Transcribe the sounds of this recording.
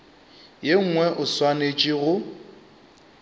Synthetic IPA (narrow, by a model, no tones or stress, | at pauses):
jeŋ̩ŋwɛʔʊswanet͡ʃʼiɣʊ